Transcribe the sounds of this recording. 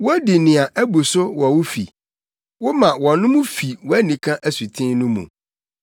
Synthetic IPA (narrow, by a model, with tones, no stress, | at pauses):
wɔ˦dɪ˨nɪ̃˨a˨ʔæ˦bu˨sʊ˦wɔ˨wʊ˦fi˨ | wʊ˦mã˨wɔ˨nʊ̃˦mʊ̃˦fi˨wɔ˦æ˦nĩ˨kʰã˦ʔæ˨su˨tʰɪ̃˦nʊ̃˦mṵ̃˨